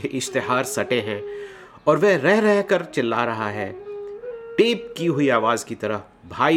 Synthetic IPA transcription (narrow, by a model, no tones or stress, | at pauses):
eʔɪʃt̪ɪɦaːɾsɐʈẽɦɛ̃ | ɔːɾʋɛɦɾɛɦɾɛɦkəɾt͡ʃɪlːa̰ɾɐɦa̰ɦɛː | ʈeːpkiɦʊiaːʋaːzkit̪ɐɾə | bʱaːi